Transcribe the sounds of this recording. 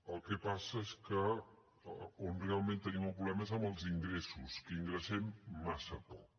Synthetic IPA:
əlˠkɛpasəeskə | onrealˠmẽnt̪ənimumpɾuβlɛməezəmbəlˠziŋɡɾesuskəiŋɡɾəsɛmːasəpɔk̚

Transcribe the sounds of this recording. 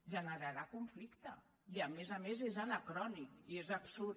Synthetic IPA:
ʒənəɾaɾakuɱflikt̪ə | iamezamezezanakɾɔnikiezabsu

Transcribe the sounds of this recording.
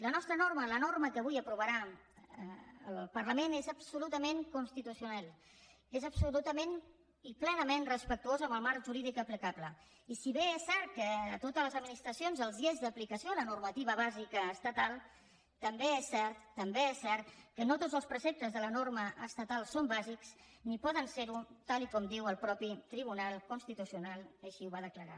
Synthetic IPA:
lənɔst̪ɾənormələnorməkəβ̞ujəpɾuβəɾa | əlpərləmenezəbsulut̪əmeŋkunst̪it̪usiunalˠ | ezəpsulut̪əmen | iplɛnəmenrəspək̚t̪uozəməlˠmaɾʒuɾiðikəplikablə | isiβeɛsːɛɾt̪̚kəːt̪ot̪əzləzəd̪minist̪ɾəsionzəlˠziezðəplikəsiolənurmət̪iβ̞əβ̞azikəːst̪ət̪alˠ | t̪əmbeɛsːɛɾt̪ːəmbeɛsːɛɾt̪kənot̪odd͡zəlˠspɾəsɛp̚t̪əzðələnorməʔəst̪ət̪alˠsombaziks | nipɔðənseɾut̪alikɔmd̪iwəlˠpɾɔpit̪ɾiβ̞unalˠkunst̪it̪usiunalˠəʃiuβaðəkləɾa̰

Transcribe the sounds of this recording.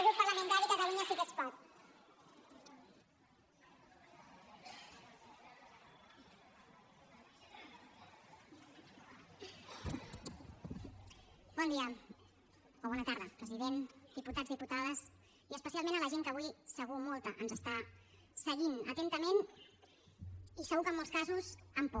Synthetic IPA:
upəɾləmə̃nt̪aɾikət̪əluɲəsikəspat̪ | bɔnd̪iə | oβɔnət̪aɾðəpɾəziðend̪iput̪ad͡zzðiput̪að̞əs | iəspəsialˠmẽnələʒeŋkəβujsəɣ̞umɔlˠt̪əʔənzəst̪a | səɣinə̰t̪ent̪əmen | isəɣukəmːɔlˠskazuzəmpɔ

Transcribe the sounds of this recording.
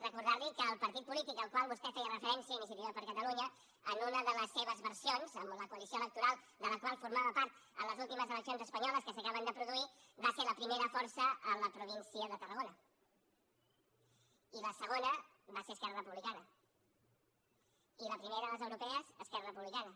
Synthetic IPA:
rəkuɾðaɾlikəːlˠpəɾt̪it̪̚pulit̪ik̚d̪əlˠkwalˠβuskɛfɛərəfəɾɛnsiəinis̬jət̪iβəpəɾkət̪əluɲə | ənunəðələsːeβəzβəɾsionzəmləkuəlisioələk̚t̪uɾalˠ | d̪ələkwalˠfuɾmaβəpaɾt̪ə̰ləzulˠt̪iməzələksionzəspəɲɔləskəsəkaβənd̪əpɾuðuibaseɾləpɾimeɾəfɔɾsəələpɾuβ̞insiəðət̪ərəɣ̞onə | iləsəɣ̞onə | βaseəskɛrərəpuβlikanə | iləpɾimeɾəðələzəwɾupɛəzəskɛrərəpuβlikanə

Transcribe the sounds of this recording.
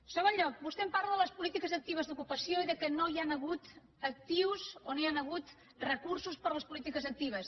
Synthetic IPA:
soβoʎʎɔk̚bust̪empaɾləðələspulit̪ikəzək̚t̪iβ̞əzðukupəsijoiðəkənojanəɣut̪ | ək̚t̪iwzonoanəɣ̞ut̪ | rəkuɾsuspəɾləspulit̪ikəzək̚t̪iβ̞əs

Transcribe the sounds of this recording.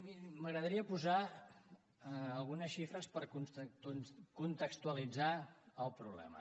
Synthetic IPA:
miməɣɾəðəɾiəpuza | lˠɣunəsʃifɾəspəɾkunukunt̪əkst̪uəlid͡zaəlˠpɾuβlɛ̰mə̰

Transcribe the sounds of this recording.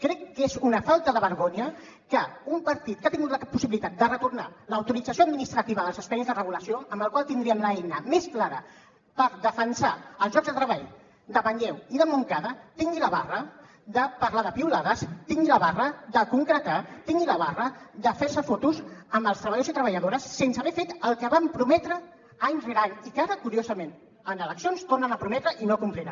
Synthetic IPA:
kɾɛkːezunəfalˠt̪əðəβəɾɣoɲə | kəumpəɾt̪it̪̚kat̪iŋɡut̪ləapusiβilit̪at̪̚d̪ərət̪urnaləːwt̪uɾid͡zəsjoəd̪̚minist̪ɾət̪iβəðəlˠzəspaizðərəɣuləsioəmbəlˠkwalˠt̪ind̪ɾiəmləɛjnəmesklaɾə | pəɾðəfənsaəlˠzʒɔɡzðət̪ɾəβaʎ | d̪əβəɲɛwiðəmuŋkaðət̪iŋɡiləβarə | d̪əpəɾlaðəpiulaðəst̪iŋɡiləβarəd̪əkuŋkɾət̪at̪iŋɡiləβ̞arəd̪əfɛɾsəfot̪uzəmbəlˠst̪ɾəβəjosit̪ɾəβəʎəðoɾəsːensəβɛfet̪əlˠkəβampɾumɛt̪ɾə | aɲzɣɾanikaɾəkuɾiozəmen | ənələksionst̪ornənəpɾumɛt̪ɾəʔinokumpliɾən

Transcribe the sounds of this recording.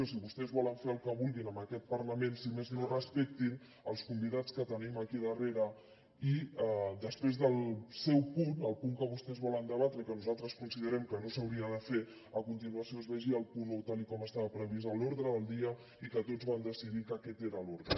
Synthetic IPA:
osiβust̪ɛzβɔləɱfeəlˠkəβulˠɣinəmbəkɛt̪̚pəɾləmensimeznorəspɛk̚t̪in | əlˠskumbiðat͡skət̪əniməkiðəreɾə | id̪əspɾezðəlˠsɛwpunəlˠpuŋkəβust̪ɛzβɔlənd̪əβat̪ɾəikənuzalˠt̪ɾəskunsiðəɾɛmkənosəwɾiənd̪əfe | əkunt̪inuəsioəzβəʒiəlˠpunot̪alikɔməst̪aβəpɾəβ̞izəloɾðɾəːlˠd̪iə | ikət̪od͡zβamd̪əsiðikəkɛt̪eɾəloɾðɾə

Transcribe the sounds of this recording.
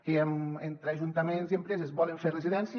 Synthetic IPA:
ement̪ɾeaʒunt̪ɐmenziempɾezezβɔleɱfereziðɛns

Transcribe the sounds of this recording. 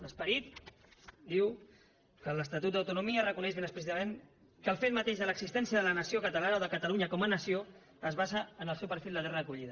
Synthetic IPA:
ləspəɾit̪ | d̪iw | kələst̪at̪ut̪̚d̪əwt̪unumiərəkunɛʃβenəsplisit̪əmen | kəlˠfet̪mət̪eʃðələɡzist̪ɛnsijəðələnəsiokət̪əlanaəoðəkət̪əluɲəkɔmənəsio | əzβazəːnəlˠsɛwpəɾfilˠd̪əðɛrəːkuʎiðə

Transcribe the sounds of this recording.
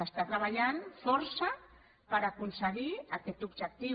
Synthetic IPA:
ast̪at̪ɾaβaʎanfoɾsa | paɾakunsəɣiaket̪ubʒak̚t̪i

